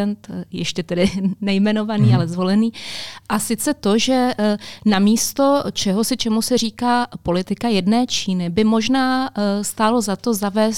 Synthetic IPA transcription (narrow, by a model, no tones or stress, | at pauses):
ɛnt̪jɛʃcɛt̪ɛdɪnɛjmɛno̞vaniːalɛzvo̞lɛniːʔasɪt͡sɛt̪o̞ʒɛnamiːst̪o̞t͡ʃɛɦosɪt͡ʃɛmusɛr̝iːkaːpo̞lɪt̪ɪkajɛdnɛːt͡ʃiːnɪbɪmo̞ʒnaːst̪aːlo̞zat̪o̞zavɛːs